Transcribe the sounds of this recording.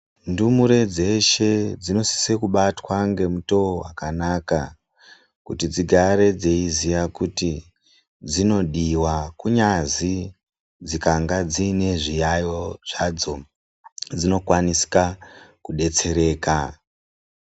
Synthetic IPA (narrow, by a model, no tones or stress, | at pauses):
ndumuɾe̞d͡ze̞ʃe̞d͡zino̞si̥sekuɓatwaŋɡe̞muto̞owakanaka̰ | kutid͡ziɡʱaɾe̞d͡zeizijakuti | d͡zino̞ɗiwakuɲazi | d͡zikaŋɡad͡ziːne̞ʐijajoʐ̥ad͡zo̞ | d͡zino̞kwanisi̥kakuɗe̞t͡se̞ɾe̞ːka